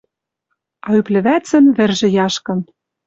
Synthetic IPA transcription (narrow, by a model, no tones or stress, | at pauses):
ɑyplɘ̆βæt͡sɘ̆nβɘ̆rʒɘ̆jɑʃkɤ̆n